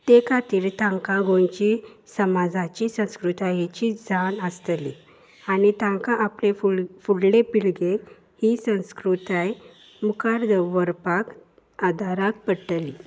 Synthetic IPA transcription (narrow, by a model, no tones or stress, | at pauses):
t̪ekat̪iːɾt̪ãŋkaɡõnt͡ɕisəmad͡zat͡ɕisə̃w̃skɾut̪ajet͡ɕid͡zʱanəst̪lḭ | anit̪ãŋkaʔaplefufuɽlepiɭɡe | hisə̃w̃skɾut̪aj | mukʰaɾd̪əʋəɾpak | ad̪ʱaɾak̚pəʈli